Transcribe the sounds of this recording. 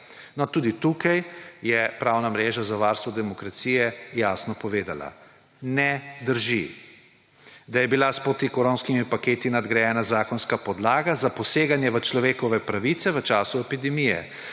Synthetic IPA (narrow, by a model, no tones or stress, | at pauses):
nɔt̪uːd̪it̪ukajjɛpɾawnamɾeːʒazaʋaːɾst̪ʋɔd̪ɛmɔkɾat̪sijɛjaːsnɔpɔʋeːd̪a̰la̰ | nɛd̪əɾʒi | d̪ajɛbilaspɾot̪ikɔɾonskimipakeːt̪inad̪ɡɾajɛːnazaːkɔnskapɔd̪laːɡazapɔseːɡanjɛʋət͡ʃlɔʋeːkɔʋɛpɾaʋit̪sɛʋət͡ʃaːsuɛpid̪ɛmijɛ̰